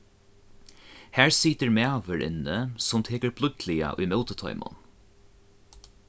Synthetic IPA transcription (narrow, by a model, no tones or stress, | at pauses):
hæːɹsiːt̪əɹmɛːʋəɾʔɪ̰nːəsʊmt̪ʰeːkəɹpʰlʊk̪lɪa̰ʔʊ̰jmɛlt̪ət̪ʰɔ̰ʏmʊ̰n